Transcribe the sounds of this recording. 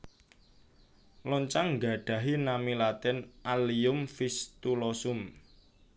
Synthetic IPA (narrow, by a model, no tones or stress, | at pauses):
lɔɲt͡ʃaŋŋɡa̤ɖ̥a̤ɦinamilat̪ɪnʔaliʊmfist̪ulɔsʊm